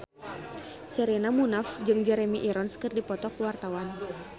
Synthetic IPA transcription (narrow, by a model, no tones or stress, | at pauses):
sɛɾɛnamunafd͡ʒɨŋd͡ʒɛɾɛmiʔiɾɔnskərdipɔt̪ɔkuwart̪awan